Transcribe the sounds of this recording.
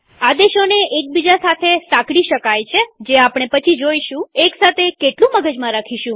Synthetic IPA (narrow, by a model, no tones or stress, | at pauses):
ad̪eʃoneʔek̚bid͡ʒasat̪ʰesãkɽiʃəkajt͡ʃʰed͡ʒeapɽ̃epət͡ʃʰid͡ʒoiʃũeksat̪ʰekeʈlũməɡəd͡ʒmãɾakʰiʃũ